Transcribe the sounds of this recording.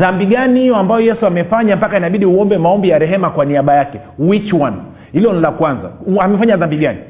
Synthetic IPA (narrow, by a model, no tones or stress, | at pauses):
ðambiɠaniijɔambajɔjɛsuamɛfaɲampakainaɓiɗiuɔmbɛmaɔmbijaɾɛɦɛmakwaniaɓajakɛ | wit͡ʃwan | hilɔnilakwanza̰amɛfaɲaðambiɡani